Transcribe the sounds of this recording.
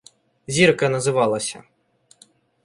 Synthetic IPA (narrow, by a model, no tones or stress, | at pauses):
zʲirkɐnɐzɪʋɑlˠɐsʲɐ̰